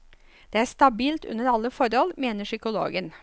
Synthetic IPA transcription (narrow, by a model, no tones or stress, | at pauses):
d̪eːæːst̪ɑbiːlt̪ʉ̰nəɾɑlːəfɔɾɔlmeːnəʂʏkʊlo̰ːɡən